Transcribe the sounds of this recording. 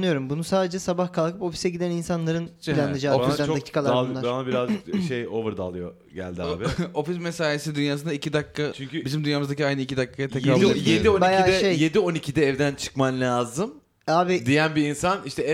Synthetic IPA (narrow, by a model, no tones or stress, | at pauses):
nɯjo̞ɾumbunusaːd̪ed͡ʒɛsabahkʰalˠkʰɯpo̞fi̥sɛɟid̪æninsanlˠaɾɯnpʰilʲanɯd͡ʒaːfiand̪acʰi̥ːkʰalˠaaɾaabiɾazd͡ʒɯkʃejo̞vɯɾd̪a̰lˠɯjo̞̰ | ɟæ̰lʲd̪iaːbɪo̞fis̬mesaːjesid̪ynjaːsɯnd̪aicid̪akʰːat͡ʃʰyɲcʲybizimd̪ynjaːmɯzd̪aciajnɯicid̪akːajatj̪ʰekaijed̪ionbiajaiːɛʃejjed̪io̞nicʰid̪ɛːvd̪ænt͡ʃʰɯ̥kmanlʲaːzɯm | aːbid̪ijænbiinsaniʃt̪ʰɛ